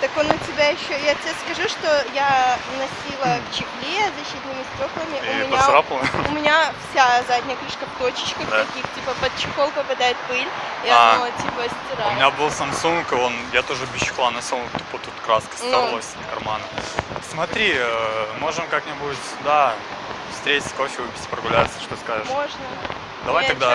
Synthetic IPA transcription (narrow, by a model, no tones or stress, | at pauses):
t̪ɐkonʊtʲɪbʲajɪɕːojatʲɪbʲeskɐʐuʂt̪o̞ja | nɐsʲilˠəkt͡ɕɪklʲezɐɕːit̪nɨmʲɪstʲo̞klˠəmʲɪʔʊmʲɪnʲasɾaplˠəʊmʲɪnʲafsʲazadʲnʲɪjəklʲiʂkəft̪ot͡ɕɪ̥t͡ɕkəxɐɐkʲixtʲipəpət̪̚t͡ɕɪxolˠpəpɐd̪ajɪt̪̚pɨlʲ | aotʲipəsʲtʲɪɾaʊmɪnʲabɨlˠsɐmsuŋkɨo̞njat̪o̞ʐɨbʲɪɕːɪ̥xlˠanɐsʲolˠt̪upət̪ut̪kɾaskə̥stnalˠəsʲt̪kɐrmanəsmɐt̪ɾʲiəmo̞ʐɨmkaknʲɪbuɪtʲd̪a | fst̪ɾʲetʲɪ̥sə̥ko̞fʲɪvɨpʲɪ̥tʲɪ̥pɾəɡʊlʲat̪sə̥ʂt̪oskazɨʂmoʐnə | d̪ɐvajt̪ɐɡd̪a